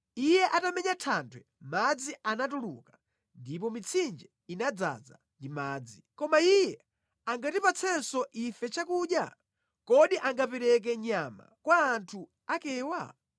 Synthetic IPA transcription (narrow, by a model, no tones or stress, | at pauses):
ijɛʔatamɛɲatʰantʰwɛ | mad͡ziʔanatulṵka | ndipɔmit͡sʰind͡ʒɛ | inad͡za̰za̰ | ndimaːd͡zikɔmaijɛ | aŋɡatipat͡sʰɛnsɔʔifɛt͡ʃakuɗja̰ | kɔɗiʔaŋɡapɛɾɛk̬ɛɲama̰kwaːntʰu | akɛːwa̰